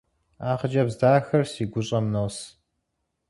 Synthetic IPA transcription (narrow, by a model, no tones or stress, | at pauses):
aːχəd͡ʒɐbzdaːxɐrsiːɡʷʊɕʼɐmnos